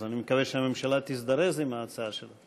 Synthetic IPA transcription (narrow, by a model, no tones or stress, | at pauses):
animekaveʃeame̞mʃalat̪isd̪aɾezimaːt͡saaʃela